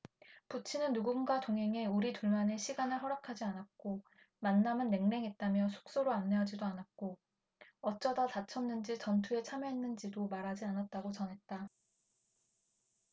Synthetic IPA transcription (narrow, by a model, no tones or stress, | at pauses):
put͡ɕʰinɯnːuɡunɡatoŋɦe̞ŋe̞uɾituɭmane̞ɕʰiɡanɯɭɦʌɾakʰad͡ʑianat̚k͈o | manːamɯnːe̞ŋne̞ŋɦe̞t̚t͈amjʌsʰo̥k̚s͈oɾoanːeɦad͡ʑidoanat̚k͈o | ʌt͡ɕ͈ʌdatat͡ɕʰʌnnːɯnd͡ʑit͡ɕʌntʰue̞t͡ɕʰamjʌɦenːɯnd͡ʑidomaɾɦad͡ʑianat̚t͈aɡot͡ɕʌnɦe̞t̚t͈a